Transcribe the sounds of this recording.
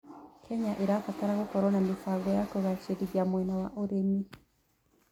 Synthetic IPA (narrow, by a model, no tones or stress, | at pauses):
kʰɛɲaʔeɾafataɾaɣokɔɾɔnamifaɡɔjakoɣat͡ʃeɾiɾjamwɛnawaʔoɾemi